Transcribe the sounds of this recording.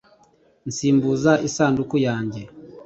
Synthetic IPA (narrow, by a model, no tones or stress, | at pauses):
nsiːmbuzaʔisaːndukujaːɲɟe